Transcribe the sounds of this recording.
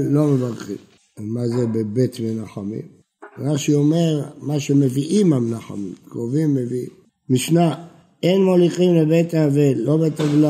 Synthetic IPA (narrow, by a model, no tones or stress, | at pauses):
lomevaʁχḭm | emazebebet̪menaχamḭm | ʁaʃiome̞ʁmaʃemeviʔimamnaχa̰mḭmkʁovimːevi | miʃna | enmoliχimlebet̪avelo̞bet̪avla